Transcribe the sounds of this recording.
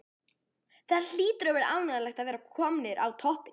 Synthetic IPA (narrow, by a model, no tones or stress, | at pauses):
θɛðaɾl̥iːt̪ɾœvɾa̰wnɛðalɛxt̪aðvɛːɾakʰɔmnɪɾʔawt̪ʰɔhpɪ